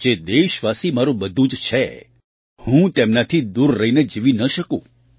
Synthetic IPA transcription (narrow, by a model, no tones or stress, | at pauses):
d͡ʒed̪eiʃʋasimaɾũbəd̪ʱũd͡ʒt͡ʃʰe | hũt̪emnat̪ʰid̪uɾːəɦined͡ʒiʋinəʃəkṵ̃